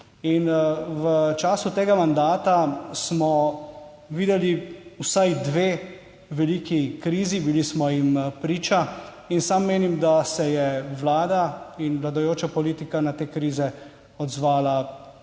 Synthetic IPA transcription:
inʋət͡ʃaːsut̪eːɡamand̪aːt̪asmɔ | ʋiːd̪ɛliusajd̪ʋeː | ʋɛliːkikɾiːzibilismɔjimpɾiːt͡ʃa | insamːeːnimd̪asɛjɛʋlaːd̪ainʋlad̪ajoːt͡ʃapɔliːt̪ikanat̪eːkɾiːzɛ | ɔd̪zʋaːla

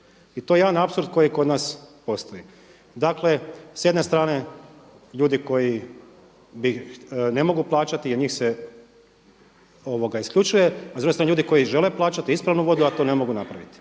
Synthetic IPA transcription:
it̪o̞jejed̪anapsuɾd̪̚ko̞jiko̞d̪naːspo̞st̪o̞i | d̪akle̞sjed̪ne̞st̪ɾaːne̞ | ʎuːd̪iko̞ji | bine̞mo̞ɡuplˠaːt͡ʃat̪iaɲiːxse | o̞ʋo̞ɡaiskʎʲut͡ʃuje̞azuɡst̪ɾaneʎuːd̪iko̞jiʒe̞leplˠaːt͡ʃat̪iispɾaʋnuʋo̞d̪uat̪o̞ne̞mo̞ɡunapɾaʋit̪i̥

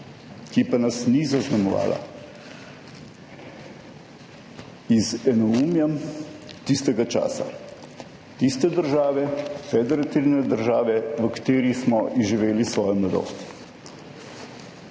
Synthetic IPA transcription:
kipanasnizaznamɔʋa̰ːlʔa̰ | izɛnɔumjamt̪ist̪ɛɡat͡ʃa̰ːsa̰ | t̪ist̪ɛd̪əɾʒaːʋɛfɛd̪ɛɾat̪iɾnɛd̪əɾʒaːʋɛʋəkḁt̪eːɾismɔʔiʒiʋeːlisʋɔːjɔmlad̪o̰ːst̪

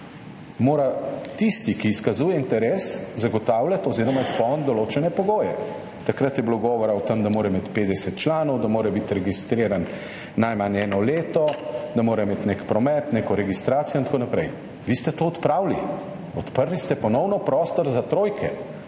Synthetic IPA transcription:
moːɾat̪ist̪ikiːskazuːjɛint̪ɛɾeːszaɡɔt̪aːwlʲjat̪ɔziːɾɔmaispɔwnd̪ɔloːt͡ʃɛnɛpɔɡoːjɛ̰ | t̪akɾat̪jɛbiloɡɔːʋɔɾaɔt̪əmd̪amoːɾɛmet̪peːd̪ɛsɛt̪t͡ʃlaːnɔwd̪amoːɾɛbit̪ɾɛɡist̪ɾeːɾanː | ajmanɛːnɔleːt̪ɔd̪amoːɾaimeːt̪neːkpɾɔmɛt̪neːkɔɾɛɡist̪ɾaːt̪sijɔnt̪akoːnapɾɛj | ʋiːst̪ɛt̪oːt̪pɾaːwli | ɔt̪pəɾlist̪ɛpɔnɔwnɔpɾɔːst̪ɔɾzat̪ɾoːjkʰɛ

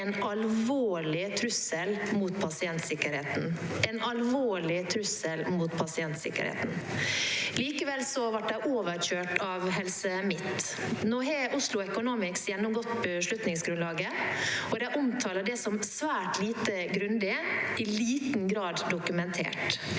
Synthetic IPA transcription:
ɛnɑlʋoːɭɪt̪ʰɾʉsəlmuːt̪pʰɑsɪɛnt̪sɪkəɾheːt̪n̩ɛnɑlʋoːɭɪt̪ʰɾʉsəlmuːt̪pʰɑsɪɛnt̪sɪ̰kə̰ɾhḛːt̪n̩ | liːkəʋɛlsɔʋɑʈ̚d̪ɛɪʔoːʋəɾçøːʈɑʋɦɛlsəmɪt̪ː | noːɦɛʔʊslʊɛkʊnoːmɪksjɛnːʊmɡɔt̪ːbəʂlʉt̪nɪŋsɡɾʉnlɑːɡəɔd̪ɛʔʊmt̪ʰɑːləɖɛsɔmsʋæːʈliːt̪əɡɾʉnd̪ɪɪliːt̪nɡɾɑːd̪d̪ʊkʉmɛnt̪ʰḛːʈ

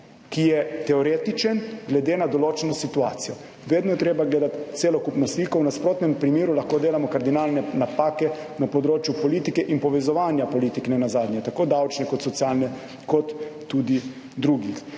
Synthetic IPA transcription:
kijɛt̪ɛɔɾeːt̪it͡ʃɛnɡlɛd̪eːnad̪ɔloːt͡ʃɛnɔsit̪uaːt̪sijɔ | ʋeːd̪nɔjɛt̪ɾeːbaɡleːd̪at̪t̪seːlɔkupnɔslikɔwnaspɾoːt̪nɛmpɾimeːɾulaxkod̪eːlamɔkaɾd̪inalnɛnapaːkɛ | napɔd̪ɾoːt͡ʃjupɔliːt̪ikɛʔinpɔʋɛzɔʋaːnjapɔliːt̪iknɛnazaːd̪nɲɛt̪akoːd̪awt͡ʃnɛkɔt̪sɔt̪sjaːlnɛ | kɔt̪ː | ud̪i | d̪ɾuɡix

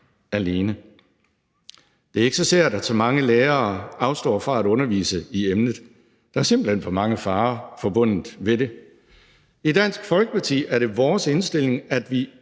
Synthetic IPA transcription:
æle̝ːnə | d̥e̝æɐe̝ɡ̥əsɒ̽seɐ̰d̥æsɒ̽mɑ̈ŋəleːɐːɑ̈ʊsd̥ɒ̰ːfʁɑ̈æɾɔ̽nɐʋḭːsəiemnð̞̩ˠ | d̥ɑ̈æɐse̝m̰b̥l̩hen̰fɒmɑ̈ŋəfɑ̈ːfɒ̽b̥ɔ̽n̰ð̩ˠʋe̝ɾe̝ | id̥æn̰sɡ̥fɒ̽lɡ̥əpʰɑ̈t͡sʰḭːæɐɾ̥e̝ʋɒːse̝nsd̥e̝l̰e̝ŋæd̥ʋi

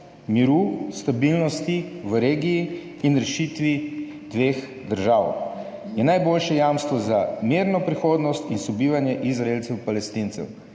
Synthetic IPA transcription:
miɾust̪abilnɔst̪i | ʋəɾeːɡiː | nɾɛʃit̪ʋi | d̪ʋeːx | d̪əɾʒaːw | jɛnajboːlʃɛjaːmst̪ʋɔzamiɾnɔpɾixoːd̪nɔst̪insɔbiːʋanjɛʔizɾaeːlt̪sɛwpalɛst̪int̪sɛ̰w

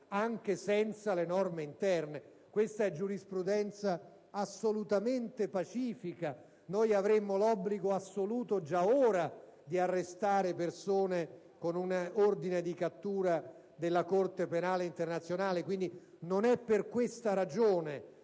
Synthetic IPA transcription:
aŋk̟esɛnt̪salenɔrmeint̪ɛrne | kwest̪aɛd͡ʒːuɾispɾud̪ɛnt̪saː | sːolut̪ament̪epat͡ʃiːfika | nojavɾemːolɔbːliɡoasːoluːt̪od͡ʒaoːɾad̪iarːest̪aːɾepersoːne | konunaord̪ined̪ikat̪ːuːɾa | d̪elːakort̪epenaːleint̪ernat̪sjonaːlekwind̪i | nonɛpːerkwest̪aɾad͡ʒoːne

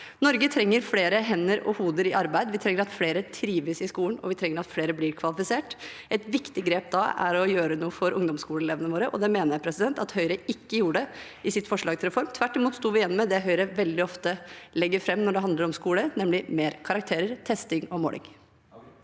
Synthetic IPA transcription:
nɔɾɡət̪ʰɾɛŋːəɾfleːɾəɦɛnːəɾɔ̰huːd̪əɾɪʔɑɾbæɪd̪ʋɪt̪ʰɾɛŋːəɾɑt̪fleːɾət̪ʰɾiːʋəsɪskuːnɔ̰ʋɪt̪ʰɾɛŋːəɾɑt̪fleːɾəblɪːɾkʰʋɑlɪfɪseːʈ | ʔɛt̪ʋɪkt̪ɪɡɾeːp̚d̪ɑæ̰ɾɔjøːɾənuːəfɔɾʔʊŋd̪ɔmskuːləleːʋənəʋoːɾəʔɔd̪ɛmeːnəɾjæɪpʰɾɛsɪd̪ɛnt̪ɑt̪hœʏɾəɪkːəjuːəɖɛ | ɪsɪt̪ːfɔʂɭɑːɡt̪ɪlɾɛfɔɾmt̪ʰʋæʈːɪmuːt̪st̪uːʋɪjɛnːɔmɛd̪ɛɦœʏɾəʋɛld̪ɪɔft̪əlɛɡːəɾfɾɛmːnɔɖɛɦɑnd̪əɾɔmskuːlənɛmlɪmeːɾkʰɑɾɑk̚t̪ʰeːɾəɾt̪ʰɛst̪ɪŋɔmo̰ːlʔɪ̰ŋ

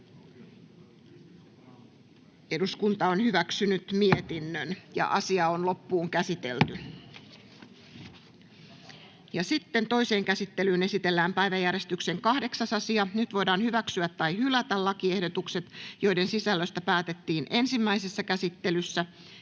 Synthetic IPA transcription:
e̞duskunt̪ɑonhyʋæksynyt̪miet̪inːønjɑ̰ʔɑsiɑonlo̞pːuːŋkæsit̪e̞̰lt̪y | jɑsit̪ːe̞nt̪o̞ise̞ːŋkæsit̪ːe̞lyːne̞sit̪e̞lːæːmpæjʋæjːære̞st̪ykseŋkɑhde̞ksɑsɑsiɑnyt̪ʋo̞jdɑːnhyʋæksyæt̪ːɑjhylæt̪ælɑkie̞hdot̪ukse̞t̪jo̞jde̞nsisælːøst̪æpæːt̪et̪ːiːnʔe̞nsimːæisesːɑkæsit̪ːe̞lysːæ

